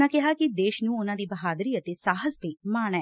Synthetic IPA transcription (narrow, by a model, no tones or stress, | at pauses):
ãkɛɦakid̪eːʃnũonãd̪iːbɐɦaːd̪əɾiːət̪esaːɦəzp̪emaːɽ̃ɛː